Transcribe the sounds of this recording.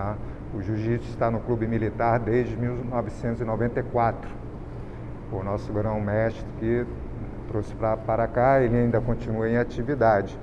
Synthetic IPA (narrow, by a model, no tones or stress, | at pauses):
a | ʊʒuʒisʊɪst̪anʊklubɪmilit̪aɾd̪ezd͡ʒɪmiwnɔvɪsẽnt̪ʊzɪnovẽnt̪ɐjkwat̪ɾʊ̥ | kõnɔsʊɡɾɐ̃w̃mɛʃi̥t̪ʊ̥kɪ | t̪ɾosɪ̥pɾɐpaɾakaelɪaĩd̪ɐkõnt͡ʃinuɐẽj̃at͡ʃivid̪ad͡ʒɪ